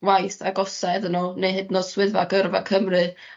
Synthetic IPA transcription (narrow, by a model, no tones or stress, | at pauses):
wajθaɡɔsɛðənunejɦɨdnɔdswɪðvaɡərvakʰəmrɨ